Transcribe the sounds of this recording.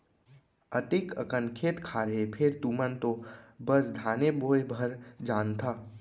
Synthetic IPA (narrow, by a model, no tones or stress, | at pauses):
ət̪ɪkəkə̃nkʰet̪kʰaːɾəɦepʰɪɾt̪uːmənt̪obəsd̪ʱaːneboːjbʱəɾd͡ʒaːnt̪ʰaː